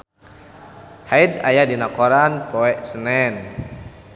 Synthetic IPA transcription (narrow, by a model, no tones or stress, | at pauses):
haida̰jadinakɔɾanpɔɛʔsənɛn